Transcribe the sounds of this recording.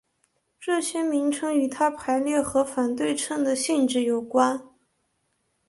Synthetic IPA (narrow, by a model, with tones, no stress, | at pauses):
ʈ͡ʂɤ˥˩ɕjɛ˥mi˧˥ŋʈ͡ʂʰɤ˥ŋy˧˥t̪ʰa˥pʰa˧˥ɪljɛ˥˩xɤ˧˥fa˨˩nt̪we˥˧ɪʈ͡ʂʰɤ˥˩nd̪ə˩ɕi˥˧nʈ͡ʂɻ̩˥˩jo˨˩ʊkwa˥n